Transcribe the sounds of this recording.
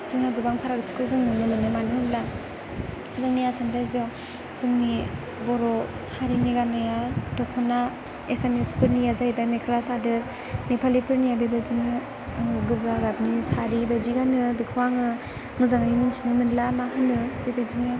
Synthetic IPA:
zɯŋnaɡɯbaŋpʰaɾaɡɯt͡ʃʰi̥kʰɯzɯŋnɯnɯmɯnɯmanɯhɯnla | ɯzaŋnijasandajzɔ | z̥ɯŋni | bɔɾɔ | haɾiniɡanɯjadɔkʰɔna | esemespʰɯɾnijazajbamekʰlasadɯ | nepʰalipʰɯɾnijabebazinɯ | ɡɯzaɡab̚nisʰaɾibad͡ʒiɡanɯbikʰwaŋɯ | ŋɯzaŋajiminsʰinɯmɯnlamaɦɯnɯbebaziŋɯ

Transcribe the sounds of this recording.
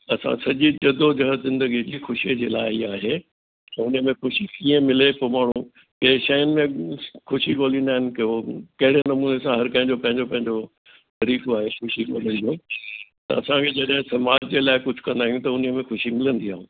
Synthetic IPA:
ɐsã̰sɐd͡ʑid͡ʑɐd̪od͡ʑɐɦəzɪ̃nd̪əɡid͡ʑiːxʊʃied͡ʑeːlaːɪiaːɦe | ʊnəmẽxʊʃikiə̃mɪlepɐmaːɳ̤ũ | keʃɐjənɪ̆mẽxʊʃiɡoːlĩnd̪aːɦɪnɪ̆keokɐɦɪɽenɐmuːnesãɦɐɾkɐ̃ɦɪ̃ɲd͡ʑopɐ̃ɦɪ̃ɲd͡ʑopɐ̃ɦɪ̃ɲd͡ʑo | t̪ɐɾiːkoaːɦexʊʃiɡo̰ːlə̃nd̪iũt̪ɐ̰ɐsãkʰed͡ʑɐɗɦɪ̃sɐmaːd͡ʑd͡ʑeːlaːɪkʊd͡ʑʱʊkɐ̃nd̪aːɦijũt̪ɐʊnmẽxʊʃimɪlə̃nd̪iaːɦũ

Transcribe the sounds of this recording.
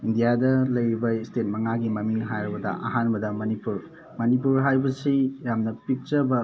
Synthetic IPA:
indijadɐlɐjɾibɐistet̚mɐŋaɡimɐmiŋɦajɾɐbɐdɐ̰ʔɐ̰ɦanbɐdɐmɐnipuɾ | mɐnip̬uɾɦajbɐsijamnɐpik̚t͡ʃɐbɐ

